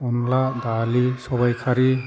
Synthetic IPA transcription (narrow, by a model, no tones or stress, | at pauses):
ɔnlad̪alisɔbajkʰaɾi